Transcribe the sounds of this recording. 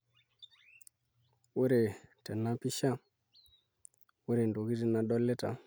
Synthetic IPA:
wu˦ɾe˨tɛ˨na˦pi˦ʃa˦ | wu˦ɾe˨ndo˨ki˦ti˦na˨ɗɔ˦le˦ta̰˨

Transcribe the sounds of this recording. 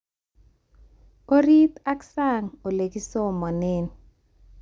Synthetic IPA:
o˦ɾi˦t̪a˦ksa˦˨ŋo˨le˨ki˦so˦mɔ˨ne˦n

